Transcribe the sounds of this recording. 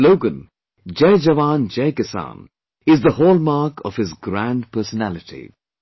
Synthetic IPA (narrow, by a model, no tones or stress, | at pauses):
loʊɡə̃n | d͡ʒeɪd͡ʒəʋãːnd͡ʒeɪkɪsã̰n | ɪzðəhoːlˠmaːkʰɔv̥hɪzɡɾæ̃nɖpʰɜːsənælɪtʰḭ